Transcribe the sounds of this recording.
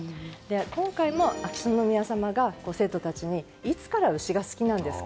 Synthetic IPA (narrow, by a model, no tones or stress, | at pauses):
d̪e̞kõ̞ŋkaimo̞akɯ̟̥ɕõ̞nːo̞mʲiasamaɡako̞ːse̞ːt̪o̞t̪at͡ɕiɲ̟i | it͡sɨ̥kaɾaɯ̟ɕiɡasɨ̥kʲinãnd̪e̞sɨ̥